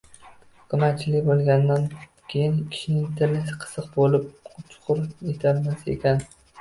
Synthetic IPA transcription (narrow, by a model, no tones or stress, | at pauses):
kʰʊmat̪t͡ʃʰɪlɪkʲbolˠɡʲand̪an | kʲʰejɪnkʲʰɪ̥ʃɪnɪŋt̪ʰɪlɪsqʰɨ̥sɨqbolɪp̚t͡ʃʰʊ̥qʰʊɾjet̪ʰalmasɪḛkʲan